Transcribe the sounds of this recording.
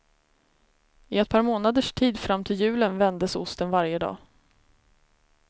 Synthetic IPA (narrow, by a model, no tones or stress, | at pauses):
ɪɛt̪̚pʰɑːɾmoːnad̪əʂʈʰiːd̪fɾamːt̪ʰɪljʉ̟ːlənvɛnd̪əsʊst̪ənvaɾjəd̪ɑ̰ː